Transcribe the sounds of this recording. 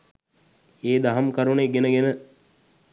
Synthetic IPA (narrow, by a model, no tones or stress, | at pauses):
eːd̪aɦamkəɾuneɡenəɡenə